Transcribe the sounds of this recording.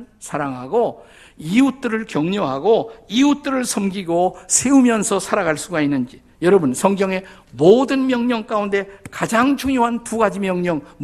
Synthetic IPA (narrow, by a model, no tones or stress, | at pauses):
sʰaɾaŋɦaɡo | iut͈ɯɾɯɭkjʌŋɲoɦaɡoiut͈ɯɾɯɭsʰʌmɡiɡosʰe̞umjʌnsʰʌsʰaɾaɣaɭs͈uɡainːɯnd͡ʑi | jʌɾʌbɯnsʰʌŋɡjʌŋe̞ | modɯnmjʌŋɲʌŋk͈aunde̞kad͡ʑaŋt͡ɕʰuŋjoɦantuɡad͡ʑimjʌŋɲʌŋm